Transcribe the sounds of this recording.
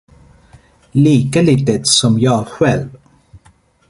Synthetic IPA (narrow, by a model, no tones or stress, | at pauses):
liːkəliːt̪ət̪sɔmjɑːɧɛlv